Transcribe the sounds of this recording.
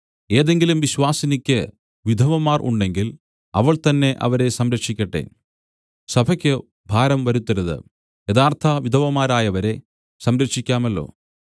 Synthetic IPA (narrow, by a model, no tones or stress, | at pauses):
e̞ːðe̞ŋɡilumʋiɕwaːsɐnikʲːɨ | ʋid̪ʱɐʋɐmaːrʔṵɳɖe̞ŋɡil | ɐ̰ʋɐɭt̪ɐnːe̞ʔɐ̰ʋɐɾe̞sɐmɾɐkʂikʲːɐʈːe̞̰ | sɐbʱɐkʲːɨ | bʱaːɾɐmʋɐɾut̪ːɐɾɐðɨ̰ | jeðaːrt̪ʰɐʋid̪ʱɐʋɐmaːɾaːjɐʋɐɾe̞ | sɐmɾɐkʂikʲːaːmɐlːo̞̰ː